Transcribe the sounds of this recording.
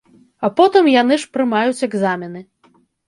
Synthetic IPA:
apɔt̪ɨmjan̪ɨʂpɾɨmajut͡sʲɛɡzamʲinɨ

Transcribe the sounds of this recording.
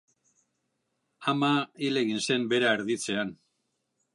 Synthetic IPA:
amaile̞ɣinse̞mbe̞ɾaeɾðit͡se̞an

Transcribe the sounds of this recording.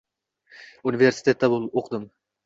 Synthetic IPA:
univeɾsi̥t̪ʰet̪ːæbulˠoqʰd̪ɨm

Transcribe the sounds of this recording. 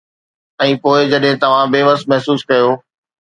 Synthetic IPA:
ɛ̃ːpoːɪd͡ʑɐɗɦɪ̃t̪ɐʋ̤ãbeːʋəsmɛɦsuːskɐjoː

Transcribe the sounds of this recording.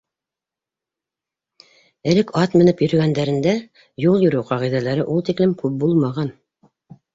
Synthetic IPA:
ɘ̆lɘkɑt̪mɘ̆nɘpjɵ̆ɾɵ̆ɡænd̪æɾɘ̆nd̪æ | julˠjɵ̆ɾʉwqɑʁijðælæɾɘʔulˠt̪iklɘmkʉp̚bulˠmɑʁɑn

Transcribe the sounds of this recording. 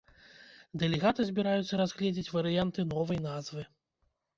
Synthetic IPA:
d̪ɛlʲɛɣat̪ɨzʲbʲiɾajut̪sːɐɾazɣlʲɛd͡zʲit͡sʲvɐɾɨjant̪ɨnɔvɐjnazvɨ

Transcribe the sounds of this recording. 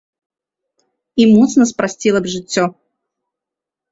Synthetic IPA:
imɔt̪snɐspɾasʲt͡sʲilˠɐbʐɨt͡sʲːɔ

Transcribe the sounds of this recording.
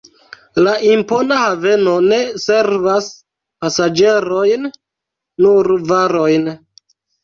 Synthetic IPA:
laʔimpo̞nahave̞no̞ne̞se̞ɾvas | pasad͡ʒe̞ɾo̞jnː | uɾvaɾo̞jn

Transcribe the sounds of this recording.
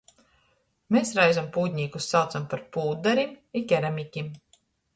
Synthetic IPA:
mesɾajzampuːd̪ʲɲiːkusːawt̪sampaɾpuːd̪aɾimikʲɛɾamʲikʲim

